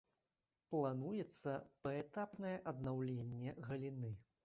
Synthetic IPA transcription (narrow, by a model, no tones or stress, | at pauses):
plˠanujɛt̪sːɐpɐɛt̪apnɐjɛʔɐd̪nawlʲenʲːɛɣɐlʲinɨ